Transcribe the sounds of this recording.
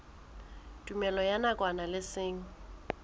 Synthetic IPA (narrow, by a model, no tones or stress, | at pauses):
tʼumɛlɔjanakʼwanalɪsɪːŋ̩